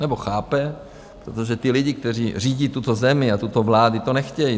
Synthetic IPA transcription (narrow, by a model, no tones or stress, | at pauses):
nɛboxaːpɛ | pɾot̪oʒɛt̪ɪlɪɟik̚t̪ɛriːr̝iːɟiːt̪ut̪ozɛmɪat̪ut̪ovlaːdit̪onɛxcɛji